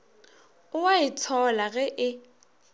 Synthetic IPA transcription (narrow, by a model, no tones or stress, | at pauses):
ʊwaɪtʰɔlaɣɛʔɪ